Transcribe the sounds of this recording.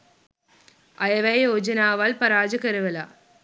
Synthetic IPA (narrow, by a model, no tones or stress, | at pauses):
ɐjɐʋɐjjoːd͡ʒɐnaːʋaːlpɐɾaːd͡ʒɐkɐɾɯʋɐla̰ː